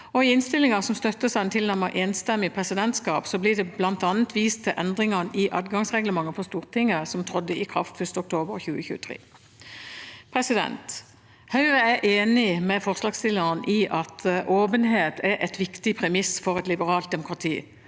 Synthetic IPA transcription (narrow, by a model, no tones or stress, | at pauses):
ɔɪɪnst̪ɪlɪŋɑsɔmst̪œt̪ːəsɛɛnt̪ʰɪlnæʁməɾʔeːnst̪ɛmːɪpʰʁɛsɪd̪ɛnt̪skɑːpsɔbliːd̪ɛblɑnt̪ɑːnət̪ʋiːst̪ʰːɪlʔɛnd̪ʁɪŋɑnɪʔɑːd̪ɡɑŋsʁɛɡləmɑŋːəfɔst̪uːʁt̪ʰɪŋːəsɔmt̪ʰʁɔd̪ːəɪkʰʁɑ̰ft̪fœʂt̪əɔkt̪ʰoːbəʁçʉːəçʉ̰ːət̪ʰʁḛː | pʰʁɛsɪd̪ɛ̰nt̪ | hœʏʁəæʔeːnɪmɛfɔʁslɑːɡst̪ɪlːənʔiʔɑt̪ʔoːbənɦeːt̪ʰæɾʔɛt̪ʋɪkt̪ɪpʰʁɛmɪsfɔʁɛt̪lɪbəʁɑːlt̪̚d̪ɛmʊkʁɑt̪ʰḭː